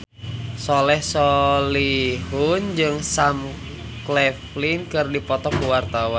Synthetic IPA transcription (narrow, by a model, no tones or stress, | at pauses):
solɛhsɔlihund͡ʒɨŋsam | klɛflinkɨrdipɔt̪ɔkuwart̪awan